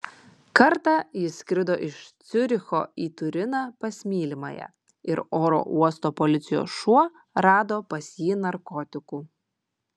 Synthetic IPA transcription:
kɐɾt̪ɑːjɪsʲkʲɾʲɪd̪oːʔɪʃt̪sʲʊɾʲɪxo̰ːiːt̪ʊɾʲɪnɑːpɐsʲmʲiːlʲɪmɐ̰jɛ̰ | ɪɾoːɾo̰ʔuɔst̪oːpɔlʲɪt̪sʲɪjo̰ːsʃuɔ | ɾɑːd̪oːpɐsʲjiːnɐɾkɔt̪ʲɪkuː

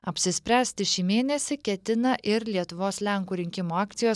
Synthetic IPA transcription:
ɐpʲsʲɪsʲpʲɾʲæːsʲt̪ʲɪʃʲiːmʲeːnʲɛsʲɪkʲɛt̪ʲɪnɐʔɪɾlʲiɛt̪ʊʋoːslʲɛŋkuːɾʲɪŋʲkʲɪmoːɑːkt̪sʲɪjoːs

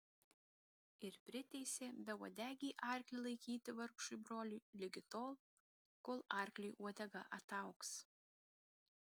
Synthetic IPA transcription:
ɪɾpʲɾʲɪt̪ʲɛɪsʲeːbʲɛuɔd̪ʲæːɡʲiːʔɑˑɾʲklʲɪlˠɐɪkʲiːt̪ʲɪʋɐɾkʃʊjbɾoːlʲuːlʲɪɡʲɪt̪oːlˠ | koːlˠɑˑɾʲklʲiʔuɔd̪ʲɛɡɐʔɐt̪ɑˑʊks

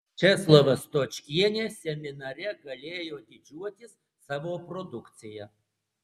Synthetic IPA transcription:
t͡ʃʲɛslˠoʋɐst̪ot͡ʃʲkʲiɛnʲeːsʲɛmʲɪnɐɾʲɛɡɐlʲeːjoːd̪ʲɪd͡ʒʲuɔt̪ʲɪsːɑːʋoːpɾɔd̪ʊkt̪sʲɪjɛ

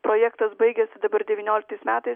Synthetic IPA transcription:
pɾoːjɛkt̪ɐsbɐɪɡʲɛsʲɪd̪ɐbɐɾd̪ʲɛʋʲinʲoːlʲɪkt̪ɐɪsmʲæːt̪ɐɪs

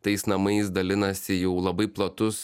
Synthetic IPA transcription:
t̪ɐɪsnɐmɐɪsd̪ɐlʲɪnɐsʲɪjɛʊlˠɐbɐɪplˠɐt̪ʊs

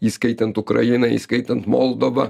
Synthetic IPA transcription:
iskæjt̪ɘnt̪ukra̰inaḭskæjt̪ənt̪molˠd̪ova

